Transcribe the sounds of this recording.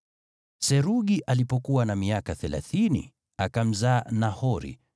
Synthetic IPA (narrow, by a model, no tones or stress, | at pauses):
sɛɾuɠiʔalipɔkuwanamiakaθɛla̰θinḭ | akam̩zaːnahɔɾḭ